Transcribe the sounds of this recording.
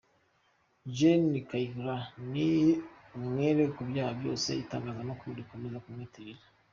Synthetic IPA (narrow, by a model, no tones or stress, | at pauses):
ʒenikaikɾaniumŋeɾekubjaːhabjo̞ːse̞̰itaːŋɡaːzanokoβoɾikomezakumŋetiɾiɾḁ